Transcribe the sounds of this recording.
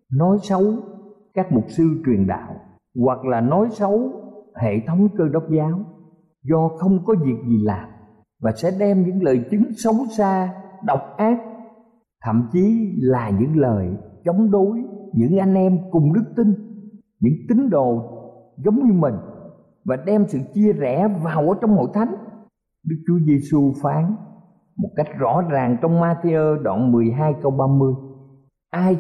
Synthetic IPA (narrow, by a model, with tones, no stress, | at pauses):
nɔ˨˦jsə˨˦wkaː˦˥k̚mʊ˨˩k͡p̚sɨ˧t͡ɕwi˨˩ənɗa̰ː˧˨w | ɣwa˨˩k̚laː˨˩nɔ˨˦jsə˨˦whḛ˧˨t̪ʰə˨˦wŋ͡mkəː˧ɗə˦˥wk͡p̚zaː˨˦w | zɔ˧xə˧wŋ͡mkɔ˨˦zi˨˩ək̚zi˨˩laː˨˩m | vaː˨˩sɛ̰˧˥ɗɛ˧mɲɨ̰˧˥ŋləː˨˩jt͡ɕɨ˨˦ŋsə˨˦wsaː˧ɗə˨˩wk͡p̚ʔaː˦˥k̚ | t̪ʰə̰˧˨mt͡ɕi˨˦laː˨˩ɲɨ̰˧˥ŋləː˨˩jt͡ɕə˨˦wŋ͡mɗo˨˦jɲɨ̰˧˥ŋʔa˧jŋ̟ʔɛ˧mkʊ˨˩ŋ͡mɗɨ˦˥k̚t̪i˧ŋ | ɲɨ̰˧˥ŋt̪ï˨˦ŋ̟ɗo˨ | zə˨˦wŋ͡mɲɨ˧mï˨˩ŋ̟ | vaː˨˩ɗɛ˧msɨ̰˧˨t͡ɕi˧əzɛ˧˩vaː˨˩wʔəː˨˩˦t͡ɕɔ˧wŋ͡mho̰˧˨jt̪ʰa˨˦jŋ̟ | ɗɨ˦˥k̚t͡ɕu˨˦əze˧su˧faː˨˦n | mo˨˩t̚ka˦˥jk̟̚zɔ̰˧˥zaː˨˩ŋt͡ɕɔ˧wŋ͡mmaː˧t̪e˧ʔəː˧ɗwa̰ː˧˨nmɨ˨˩əjɦaː˧jkə˧wɓaː˧mɨ˧əj | ʔaː˧j